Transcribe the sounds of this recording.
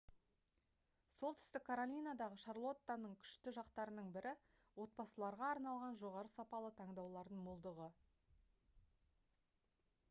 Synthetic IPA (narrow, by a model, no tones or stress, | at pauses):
so̞lˠt̪ʰʏ̥st̪ɪkʰːaɾolʲijnad̪ɑʁəʃarlˠo̞t̪ːanəɴkʲʰʏ̥ʃt̪ɪʒɑqt̪ɑɾənəɴbɪɾɪ | wo̞t̪̚bɑsəlˠɑɾʁɑːɾnɑlˠʁɑnʒo̞ʁɑɾəsɑpɑlˠət̪ʰɑŋd̪ɑwlˠɑɾd̪əɴmʊlˠd̪əʁə